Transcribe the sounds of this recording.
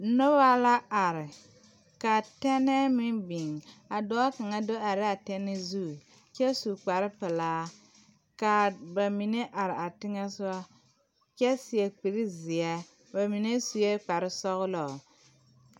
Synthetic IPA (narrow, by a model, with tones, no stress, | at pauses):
nɔ˦ba˦la˦a˨ɾɪ˨ | ka˨tɛ˦nɛ˦mɪ˦nbi˨ŋa˨dɔ˦a˦ka˨ŋa˦do˦a˨ɾɪ˦a˨tɛ˦nɛ˦zu˦˨ | t͡ʃɛ˦su˨k͡pa˨ɾɪ˦pɪ˨laː˦ | ka˨ba˨mi˨ne˦ʔa˨ɾɪ˨a˨tɪ˦ŋɛ˦sʊ˦a˦ | t͡ʃɛ˦sɪ˨ɛ˨k͡pi˨ɾɪ˦zɪ˨ɛ˦ | ba˨mi˨ne˦su˨je˦k͡pa˨ɾɪ˦sɔ˦ɣʊ˦lɔ˨